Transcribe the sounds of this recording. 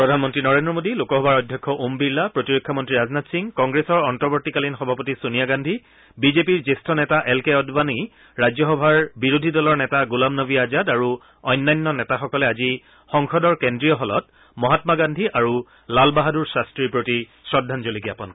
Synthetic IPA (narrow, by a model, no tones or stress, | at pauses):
pɹɔdʱanmɔntɹinɔɹendɹɔmodilokɔxɔbaɹɔjdʱjɔkʰːɔʔumbiɹlapɹotiɹokʰːɔmɔntɹiɹaznatsiŋkɔ̃ŋɡɹesɔɹɔntɔɹbɔɹtikalinxɔbʱapotisunijaɡandʱi | bizepiɹzestʰɔnɛtaʔɛlkeɔdbani | ɹad͡ʑjɔxɔbʱaɹbiɹodʱidɔlɔɹnɛtaɡulamnɔbiazadaɹu | ɔjnːajnːɔnɛtaxɔkɔlɛazi | xɔŋxɔdɔɹkendɹijɔɦɔlɔ̰t̚ | mɔɦatmaɡandʱiʔaɹu | lalbaɦaduɹsɹastɹiɹpɹoti | sɹɔdʱːanzolikiapɔn